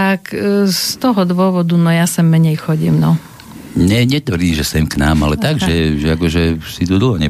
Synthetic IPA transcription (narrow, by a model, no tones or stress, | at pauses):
t̪akst̪ɔɦɔd̪ʋʊɔʋɔd̪unɔjasɛmːɛɲɛjxɔɟḭːmnɔ | ɲɛɲɛt̪ʋɾiːʒɛsɛmkna̰ːmalɛt̪aɡʒɛʒɛakɔʒɛsit̪ud̪l̩ɦɔɲɛ